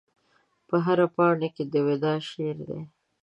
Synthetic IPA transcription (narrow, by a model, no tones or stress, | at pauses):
pəɦaɾapɑɳeked̪əwed̪ɑʃeɾd̪ḛ